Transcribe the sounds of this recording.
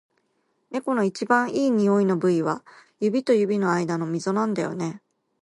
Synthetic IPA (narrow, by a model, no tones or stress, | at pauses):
ne̞ko̞no̞it͡ɕibãɰ̃iːɲ̟io̞inobɯ̟iβajɯ̟bʲit̪o̞jɯ̟bʲino̞aid̪ano̞mʲizo̞nãnd̪ajo̞̰ne̞